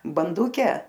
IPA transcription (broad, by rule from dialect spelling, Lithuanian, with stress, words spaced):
bɐnˈdʊkʲɛ